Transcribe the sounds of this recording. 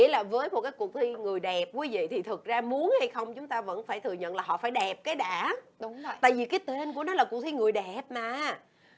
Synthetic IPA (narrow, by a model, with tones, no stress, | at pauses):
ḭ˧əlaː˨˩vəː˨˦jmo˨˩t̚kaː˨˦jku˨˩ək̚t̪ʰi˧ŋɨ˨˩əjɗɛ˨˩p̚kwi˨˦vḭ˧˨t̪ʰi˨˩t̪ʰɨ˨˩k̚zaː˧mu˨˦ənha˧jxə˧wŋ͡mt͡ɕʊ˨˦ŋ͡mt̪aː˧və̰˧˥nfaː˧˩jt̪ʰɨ˨˩əɲə̰˧˨nlaː˨˩ɦɔ̰˧˨faː˧˩jɗɛ˨˩p̚kaː˨˦jɗaː˧˩˨ɗŋ͡mt̪a̰ː˧˨jvi˨˩kaː˨˦jt̪e˧nku˧˩ənɔ˨˦laː˨˩ku˨˩k̚t̪ʰi˧ŋɨ˨˩əjɗɛ˨˩p̚maː˨˩